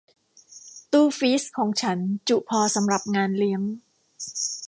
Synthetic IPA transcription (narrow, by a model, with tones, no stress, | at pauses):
t̪uː˥˩fiː˦˥skʰɔː˩˦ŋt͡ɕʰa˦˥nt͡ɕu˨˩pʰɔː˧sa˩˦mɾa˨˩p̚ŋaː˧nli˦˥əŋ